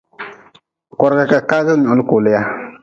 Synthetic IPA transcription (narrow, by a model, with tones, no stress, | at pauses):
kɔ˨ɾɡa˨ka˨kaː˦ɡɨ˦ɲʊ˨ʔʊ˨lɨ˦ko˨lɪ˦ja˦